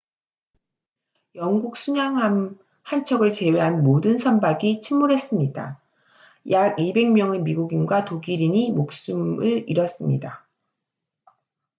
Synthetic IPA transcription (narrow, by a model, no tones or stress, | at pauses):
jʌŋɡuk̚s͈ʰuɲaŋ | hant͡ɕʰʌɡɯɭt͡ɕe̞we̞ɦanmodɯnsʰʌmbaɡit͡ɕʰimmuɾɦe̞s͈ɯmɲida̰ | jaɡibe̞ŋmjʌŋemiɡuɡinɡwatoɡiɾiɲimok̚s͈ɯmɯɭiɾʌs͈ɯmɲḭda